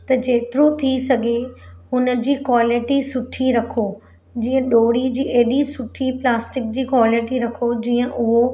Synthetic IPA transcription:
t̪ɐd͡ʑeːt̪ɪɾot̪ʰisɐɡʱehʊnə̆d͡ʑiːkwaːlɪʈisʊʈʰiɾɐkʰo | d͡ʑiːə̃ɗoːɽid͡ʑiːʔeːɗisʊʈʰiplaːsʈɪk̚d͡ʑiːkwaːlɪʈiɾɐkʰod͡ʑiːə̃ʔʊɦo

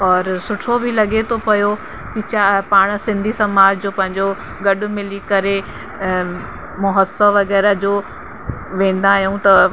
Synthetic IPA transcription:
ɔːɾsʊʈʰobʱilɐɡet̪ʰopɐjo | kit͡ɕapaːɽ̃sɪ̃nd̪ʱisɐmaːd͡ʑd͡ʑoːpɐ̃ɦɪ̃ɲd͡ʑo | ɡɐɗʊ̆mɪlikɐɾe | mʊɦəsəʋɐɡɛːɾəd͡ʑoː | ʋẽːn̆d̪aːɦjũt̪ɐ

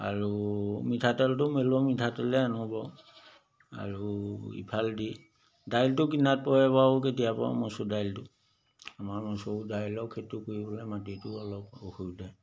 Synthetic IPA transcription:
a̰ɹumitʰatɛltʊmelɔmitʰatɛlɛanɔbɔ | a̰ɹuḭpʰaldi | dajltʊkinat̚pɔjɛpaɔketijapɔ̰a̰mɔsudajltʊ | amaɹmɔsodajlɔkʰetukuɹibɔlɛmatitʊɔlɔpokuɹdɛj

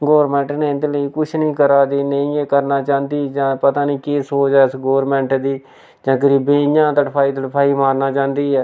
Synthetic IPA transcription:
ɡoːʋɾmɛ̃ːɳʈnẽːɪnd̪ləiːkʊt͡ʃʰnəĩːkəɾaːd͡ʒ̪eːnəĩːeːkəɾnaːt͡ʃãːnd̪iːd͡ʒãːpət̪aːnĩːkeːsoːt͡ʃɛːsɡoːəɾmɛ̃ːɳʈd̪iː | d͡ʒãːk̬əɾiːbẽːɪjãːt̪əʈəpʰaːiːt̪əʈpʰaːiːmaːɾnaːt͡ʃãːnd̪iːɛː

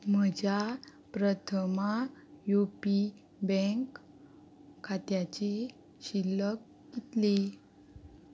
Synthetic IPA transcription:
məd͡ʑa | pɾət̪ʰəmajuopi | bɛ̃ŋkʰ | at̪jat͡ɕe | ɕilək | ɡit̪le

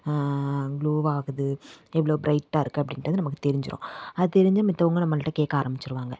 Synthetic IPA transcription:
ɡɭuːʋaːɣɯðɯɛʋːɐɭoːbɾɐɪʈːaːɪɾɯkːɯɐpːɐɽɪnʈːɐðɯnɐmɐkːɯt̪ɛɾɪɲd͡ʒɪɾʔõ̰ːɐðɯt̪ɛɾɪɲd͡ʒamɪt̪ːɐʋɐŋɡɐnɐmːɐnɪʈːɐkeːkːaːɾɐmbɪt͡ʃːɪɾɯʋaːŋɡɐ

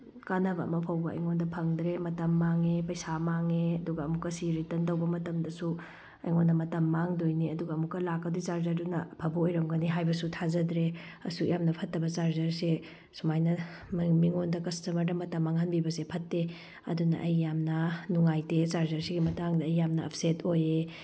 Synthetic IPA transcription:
kanɐbɐɐ̰mɐpʰɐwbɐɐ̰jŋondɐpʰɐŋd̪ɾemɐtɐmːaŋepɐjsamaŋeɐduɡɐːmukːɐsiɾitɐntɐwbɐmɐtɐmdɐsu | ɐjŋondɐmɐtɐmːaŋdojniɐduɡɐːmukːɐlakːɐdit͡ʃaɾzɐɾdunɐpʰɐbɐojɾɐmɡɐniɦajbɐsutʰazɐdɾeɐ̰sujamnɐpʰɐtːɐbɐt͡ʃaɾzɐɾse | sumajnɐ | mmiŋondɐkɐstɐmɐɾdɐmɐtɐmːaŋɦɐnbibɐsepʰɐtːe | ɐ̰dunɐ̰ʔɐjːamnɐnuŋajtet͡ʃaɾzɐɾsiɡimɐtaŋdɐːjːamnɐɐ̰pʰsetʰoje

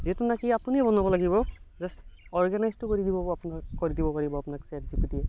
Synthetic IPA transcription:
zitunakiapuniɛbɔnɔbɔlaɡibɔzasɔɹɡanajztʊkoɹidibɔapunakoɹidibɔpaɹibɔapunaksɛt̚zipitiɛ

